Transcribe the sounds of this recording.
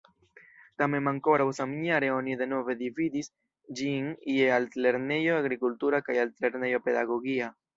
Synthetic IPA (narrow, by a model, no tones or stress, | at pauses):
t̪amemaŋkoɾaβosamiɲaɾeoniðenoβeðivid̪is | d͡ʒiŋiealt̪leɾnejoaɣɾikult̪uɾakajalt̪leɾnejopeðaɣoɣia